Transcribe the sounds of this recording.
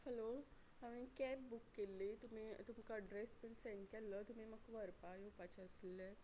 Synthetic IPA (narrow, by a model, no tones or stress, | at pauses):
fəlo | aʋĩkɛpbukːelːit̪um̤it̪umkaɖɾespilseɳʈkɛlːət̪um̤iməkʋəɾpajupat͡ɕeəsle